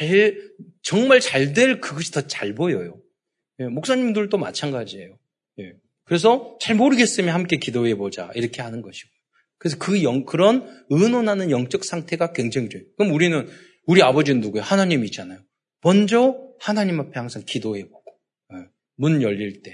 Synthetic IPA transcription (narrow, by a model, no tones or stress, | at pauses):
t͡ɕa | t͡ɕʌŋmaɭt͡ɕaɭdwe̞ɭkɯɡʌɕʰi̥tʌt͡ɕaɭbojʌjo | je̞mok̚s͈aɲimdɯɭt͈oma̰t͡ɕʰaŋɡad͡ʑiejo | je̞ | kɯɾe̞s̬ʰʌt͡ɕaɭmoɾɯɡe̞s͈ɯmjʌnhamk͈e̞kidoɦe̞bod͡ʑa̰ʔiɾʌkʰe̞hanɯnɡʌɕʰi̥ɡ̥ojo | kɯɾe̞s̬ʰʌkɯjʌŋkɯɾʌnɯnonɦanɯnjʌŋt͡ɕ͈ʌk̚s͈ʰaŋtʰe̞ɡakwe̞ŋd͡ʑeŋd͡ʑejokɯmuɾinɯn | uɾiabʌd͡ʑinɯnuɡujohanaɲimiit͡ɕ͈anajo | mʌnd͡ʑʌhanaɲimːapʰe̞haŋsʰaŋkidoɦe̞boɡ̥o̥ | je | munjʌʎːiɭt͈e̞